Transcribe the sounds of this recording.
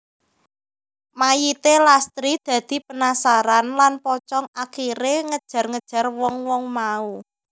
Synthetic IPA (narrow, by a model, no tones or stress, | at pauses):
majit̪elast̪ɾid̪̥ä̤d̪̥i̤pənasaɾanlanpɔt͡ʃɔŋakiɾeŋəd̥ʒ̥a̤rŋəd̥ʒ̥ä̤rwɔŋwɔŋmau